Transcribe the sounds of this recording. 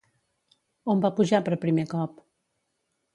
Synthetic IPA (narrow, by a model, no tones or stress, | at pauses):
ombapuʒapəɾpɾimekɔp